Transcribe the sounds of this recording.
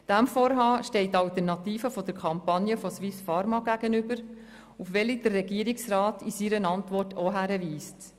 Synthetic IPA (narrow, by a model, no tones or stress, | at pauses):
d̥æmfɔːɾɦɑːʃtɛɪtːɑltəɾnɑtiːfəfɔd̥əɾkʰɑmpɑnjəfɔswɪsfɑɾmɑɡæɡ̥ənʏbəɾ | ufʋɛlid̥ərːɛɡiːəɾiksɾɑːtisiɾənɑntʋɔrtʰoɦæɾəʋiːst